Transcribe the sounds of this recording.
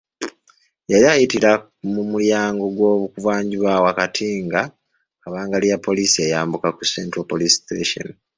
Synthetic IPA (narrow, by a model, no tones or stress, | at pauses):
eɾiaːjitiɾa | mumuljaːŋɡo̞ɡwo̞ːβukuvaːɲɟiβawakatʰiːŋɡa | kaβaːŋɡalijapʰːo̞liːsie̞jaːmbukakusentɾopolisteːʃo̰n